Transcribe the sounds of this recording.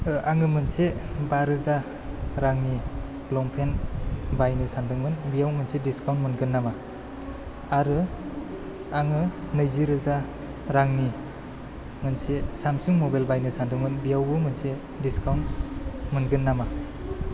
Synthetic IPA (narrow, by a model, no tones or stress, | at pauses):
ʔaŋɯmɯnsebaɾɯza | ɾaŋni | lɔŋpʰenbajnɯsandɯŋmɯnbijawmɯnsediskawntmɯnɡɯnːama | aɾɯ | aŋɯ | nəjziɾɯza | ɾaŋni | mɯnsesamsuŋmɔbajlbajnɯsandɯŋmɯnbijawbɯmɯnse | diskawnmɯnɡɯnːama